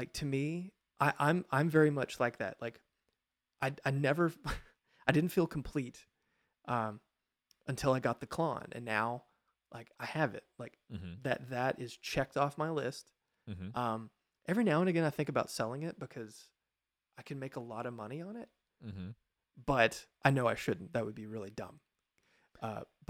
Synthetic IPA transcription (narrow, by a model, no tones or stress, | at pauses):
laɪk̚tʰɨmi | ʔaɪʔãɪ̃mãɪ̃ɱvɛɹimʌt͡ʃlaɪk̚ðɨ̰ʔ̚laɪk | ʔaɪaɪnɛvə˞ | aɪdɪdⁿn̩tfilˠkʰm̩pʰl̥iɾ | ʔʌ̃m | ɨ̃ntʰɪlˠaɪɡɑt̪̚ðɨkʰl̥ɑ̰̃nɨ̰̃nːaʊ | lʔaɪkaɪɨvɪ̰t̚laɪk̩̚ðɨ̰t̪̚ðɨɾʔɪz̥t͡ʃʰɛk̚tɔfmaɪlɪst̩ | mʔʌ̃m | ʔɛvɹinaʊə̃nɨɡɛ̃ñaɪθɪ̃ŋkəbaʊtsɛlˠɪ̃ŋɪt̚b̥ɨkʰʌz̥ | ʔaɪkʰɨ̃nmeɪkəlɔɾʌvmʌñiə̃nɪt̚ | m̥̩ | b̥ʌɾʔaɪnoʊaɪʃʊdⁿn̩ðɨt̚wəd̚biɹɪlˠidʌ̰̃m | ʌ̰̥